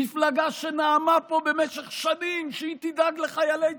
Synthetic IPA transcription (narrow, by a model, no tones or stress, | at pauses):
iflaɡaʃenaːmapo̞be̞meʃeχʃanimʃeit̪id̪aɡleχajalej